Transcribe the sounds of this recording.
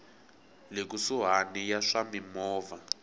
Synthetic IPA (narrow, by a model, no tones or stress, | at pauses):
lek̬usuɦanijaʂamimɔːva